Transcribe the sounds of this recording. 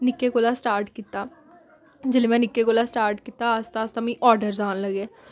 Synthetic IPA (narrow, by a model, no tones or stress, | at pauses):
nɪkːeːkoːlaːsʈaːɾʈkiːt̪aː | d͡ʒeːleːmɛ̃ːnɪkːeːkoːlaːsʈaːɾʈkiːt̪aːəst̪aːst̪ãːmĩːʔɔːɾɖəɾzaːnləɡeː